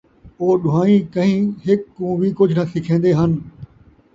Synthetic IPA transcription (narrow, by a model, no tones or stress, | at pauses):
oːɗʊɦaːĩkɐ̃ɦĩɦɪkːũːʋikʊd͡ʑʱnɐsɪkʰẽːnd̪eɦənɪ̆